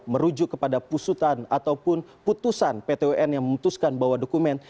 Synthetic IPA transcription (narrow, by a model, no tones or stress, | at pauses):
məɾud͡ʒʊkːəpadapusut̪anat̪awpʊnput̪usanpet̪euʔɛnjaŋməmut̪uskanbawadokumɛn